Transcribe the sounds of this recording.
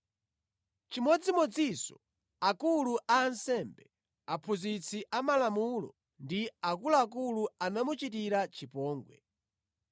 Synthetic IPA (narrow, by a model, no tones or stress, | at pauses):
t͡ʃimɔd͡zimɔd͡zisɔ | akuluʔaːnsɛmbɛ | apʰuzit͡sʰiʔamalamulɔ̰ | ndiakulaak̬uluanamut͡ʃit̬iɾat͡ʃipɔːŋɡwɛ̰